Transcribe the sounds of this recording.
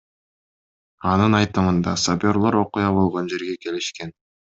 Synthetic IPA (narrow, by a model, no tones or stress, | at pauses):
ɑnɯnɑjt̪ɯmɯnd̪ɑsabʲo̞ɾlˠo̞ɾo̞qujɑβo̞lˠʁo̞nd͡ʒe̞ɾɡeke̞liʃke̞n